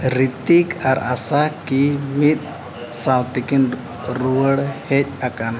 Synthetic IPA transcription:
ɾit̪ikaɾasakimit̪̚ | sawt̪ikin | ɾuwəɽhɛc̚ˀakan

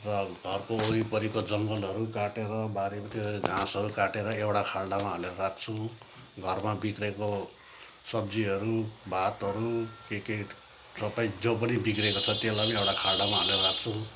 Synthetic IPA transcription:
rʌɡʱʌrkoːɾipʌɾikod͡zʌŋɡʌlɦʌɾukaʈeɾʌbaɾemʌt̪eeɡʱãsɦʌɾukaʈeɾʌewʈakʰalɖamaɦʌleɾʌrak̚ʰt͡sʰũ | ɡʱʌrmabikreko | sʌb̚d͡ziɦʌɾubʱat̪ɦʌɾukeke | tʌpaĩd͡zopʌnibikrekot͡sʰʌt̪jelamiewʈakʰaɭɖamaɦʌleɾʌɾak̚t͡sʰũ

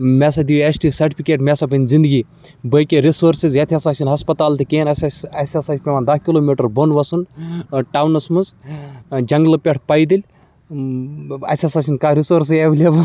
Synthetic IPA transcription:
mʲɛs̬ɐd̪iesʈiːsɐɾʈipʰikʲeːʈmʲɛsabɨnʲzind̪ɨɡiː | bəkʲeɾisoːɾsizjɐt̪ʰʲɐsaːt͡ʃʰinɦɐspɐt̪aːlt̪ʰikeːnɐsɐsʲɐsaːt͡ʃʰpʲeʋaːnd̪ɐhkiloːmiʈɐɾbonʋɐsunʈaːwnɐsmɨz | d͡ʒɐŋɡlɨpʲɐʈʰpɐjd̪ilʲ | ɐ̰sʲɐsat͡ʃʰinkaɾisoːɾs̬eblʲebɐ

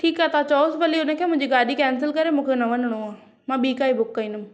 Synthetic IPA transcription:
ʈʰiːkaːt̪at͡ɕɔːsbɐliʊnə̆kʰeːmʊ̃ɪ̃ɲd͡ʑiɡaːɗikɛːnsɪlkɐɾemũːkʰenɐʋənəɽ̃oãː | mãːɓiːkaːibʊkːaĩːnʊm

